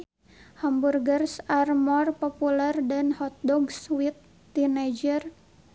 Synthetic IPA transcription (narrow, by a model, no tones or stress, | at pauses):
hamburɡərsarmɔrpɔpulɛrdanhɔt̪̚dɔɡswit̪ː | ined͡ʒər